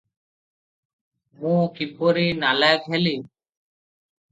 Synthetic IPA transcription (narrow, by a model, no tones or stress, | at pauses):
mũkipoɾinalakɦeli